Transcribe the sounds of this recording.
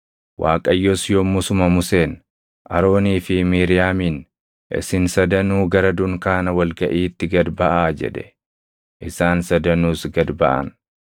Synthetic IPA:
wʔaːkʼɐjːɔsjomːʊsʊmɐmʊse̞ːn | ʔɐɾo̞ːniːfɪmiːɾɪjaːmiːn | ʔɪ̰sɪnsɐd̪ɐnuːɡɐɾɐd̪ʊŋkaːnɐwɐlɡɐʔiːt̪ːɪɡɐd̪bɐʔaːd͡ʒɛ̰ᶑ̪ɛ̥̰ | ʔɪsaːnsɐd̪ɐnuːsɡɐd̪bɐʔɐ̰n

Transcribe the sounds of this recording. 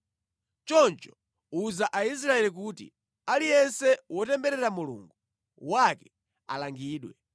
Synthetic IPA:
t͡ʃɔnt͡ʃɔ̥ | uzaʔais̬ɾaɛlik̬utḭ | alijɛnsɛwɔtɛmbɛɾɛɾamulṵŋɡu | wakɛ̥ | a̰laŋɡiːɗwɛ

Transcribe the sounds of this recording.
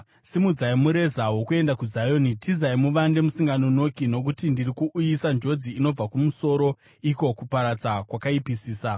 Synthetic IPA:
simud͡zaimuɾe̞zaɦo̞kue̞ndakuzajonitizaimuʋande̞musiŋɡanono̞kino̞kutindirikuʔːjisand͡ʒo̞d͡ziːno̞b͡vakumuso̞ɾo̞ | iko̞kupaɾad͡zakwakaipisiːsa

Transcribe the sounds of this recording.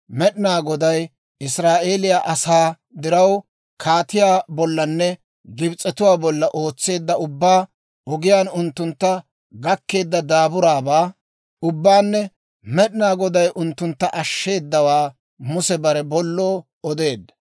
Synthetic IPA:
mɛɗɪnaːɡɔd̪ɐj | ɪsɾaːʔe̞ːlɪjaːʔɐsaː | d̪ɪɾɐw | kʰaːt̪ɪjaːbɔlːɐnːɛ | ɡɪbt͡sʼːɛt̪ʊwaːbɔlːɐʔo̞ːt͡sːe̞ːd̪ːɐʊbːaː | ʔɔɡɪjaːnʊnt̪ːʊnt̪ːɐ | ɡɐkːe̞ːd̪ːɐd̪aːbʊɾaːbaː | ʊbːaːnːɛ | mɛɗɪnaːɡɔd̪ɐjʔʊnt̪ːʊnt̪ːɐʔɐʃːe̞ːd̪ːɐwaː | mʊsɛbɐɾɛbɔlːoː | ɔd̪e̞ːd̪ːɐ̥

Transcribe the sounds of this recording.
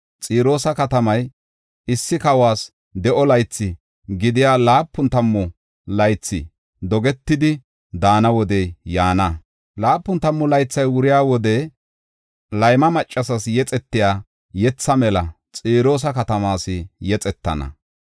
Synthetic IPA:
t͡sʼiːɾo̞ːsɐkɐt̪ɐmɐj | ɪsːɪkɐwaːs | d̪ɛʔɔlɐjt͡sːɪ | ɡɪd̪ɪjaːlaːpːʊnt̪ɐmːɔ | lɐjt͡sːɪ̰ | d̪ɔɡɛt̪ːɪd̪ɪ | d̪aːnɐwɔd̪ɛjjaːnɐ | laːpːʊnt̪ɐmːɔlɐjt͡sːɐjwʊɾɪjaːwɔd̪ɛ | lɐjmɐmɐt͡ʃʼːɐsɐsjɛt͡sʼɛt̪ːɪjaː | jɛt͡sːɐmɛlɐ | t͡sʼiːɾo̞ːs̬ɐkɐt̪ɐmaːsɪjɛt͡sʼɛt̪ːɐ̰nɐ̰

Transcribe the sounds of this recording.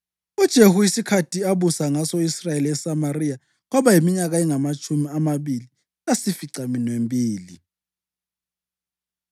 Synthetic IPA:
ud̥ʒ̥ʱehuisikʰatʰiaβusaŋasoisrajeliɛsamarija | ɣɔβajimiɲaɣaɛŋamat͡ʃʰʼumiamaβili | lasifiǀaminwembʱʼiːli

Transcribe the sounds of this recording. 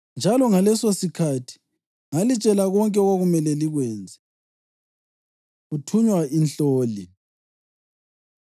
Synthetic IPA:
nd͡ʒʱalɔŋalɛsosikʰatʰi̥ | ŋalit͡ʃʼɛlaɣɔŋkʼɛɔɣwaɣumɛlɛliɣwɛːnd͡zʱɛ | ɣutʰuɲwainɬoːli

